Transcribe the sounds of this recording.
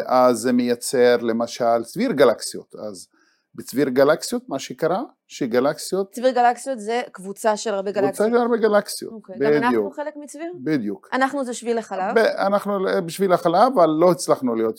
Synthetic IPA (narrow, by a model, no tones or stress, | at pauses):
eʔazːemejat͡seɾlemaʃalt͡sviɾɡalaksijo̰t̪a̰z | bet͡sviɾɡalaksijot̪maʃekaɾa | ʃeɡalaksijot̪t͡sviʁɡalaksijot̪zekvut͡saʃelaʁbeɡalut͡saʃelaɾbeɡalaksijobidjuelekmit͡svibid̪jukanaχnuzeʃvilaχalavbeanaχnulbiʃvilaχalavalːo̞hit͡slaχnulijo̞t̪